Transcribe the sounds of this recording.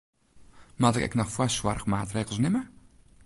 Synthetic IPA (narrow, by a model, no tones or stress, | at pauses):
matɪkɛ̰knɔxfwaswarxmaːtreːɣlˠsnɪmə